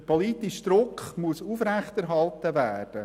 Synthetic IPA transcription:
pʰoliːt̪iʃd̥̪ɾʊkχmusuːfɾɛχt̪ɛɾɦɑlt̪əvæːd̥ə

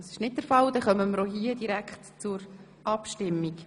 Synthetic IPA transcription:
ɑsɪ̥ʃnɪt̚d̥̪əɾfɑld̥̪ɛχœməməɾoɦiːəd̥iɾækχtt͡sʊɾ | ʔɑpʃtɪmːik

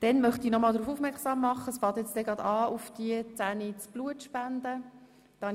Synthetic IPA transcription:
d̥ɛnmœχtiːnɔmɑːldɾuːfufmɛʁksɑːmːɑχːəsfɑːt̪jɛt͡stɛɡʁɑd̥̪ɑːʔufd̥iət͡sæːnit͡sb̥luətʃpænd̥̪ə | d̥ɑ

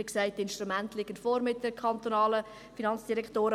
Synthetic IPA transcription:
ɪksaɪt̚dɪnʃtɾumæntlɪɡ̥ənfɔːɾmɪt̚d̥əkʰɑnt̪onɑːlə | finɑnt͡sd̥iɾɛkʰtoːɾə

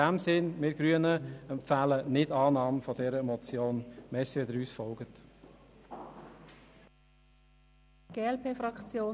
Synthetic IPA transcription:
æmsɪnmɪɡ̥ɾyənəɛmpfæːlənɪdɑːnɑːmfɔdɛɾəɛmɔt͡sjoːnmɛːsiʋɛd̪əɾyːsfɔlɡ̥ət | ɡ̥eːɛlpʰeːfɾɑkt͡sjoː

